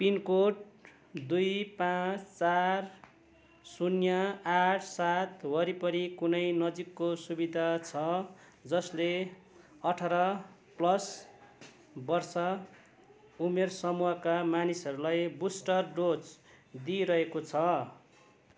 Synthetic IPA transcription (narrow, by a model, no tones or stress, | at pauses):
pinkoʈ̚ | d̪ujpãt͡sʰt͡sar | sunjʌaʈʰsat̪wʌɾipʌɾikunʌjnʌd͡zikːosubid̪ʱat͡sʰʌ | d͡zʌsle | ʌʈʰaɾʌ | plʌs | bʌrsʌ | umersʌmuɦʌkamanisʌɾulajbusʈʌrɖot͡s | d̪iɾʌɦekot͡sʰʌ